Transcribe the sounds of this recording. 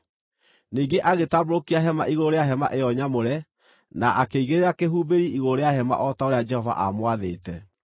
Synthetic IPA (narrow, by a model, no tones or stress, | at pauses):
niːɡeʔaɣetaboɾokiaɦɛma̰ʔiɣoɾeaɦɛma̰ʔejɔɲamoɾɛ | naʔakeiɣeɾeɾakeɦubeɾiiɣoɾeahɛma̰ʔɔtaoɾead͡ʒɛhɔva̰ʔa̰mwaðeːtɛ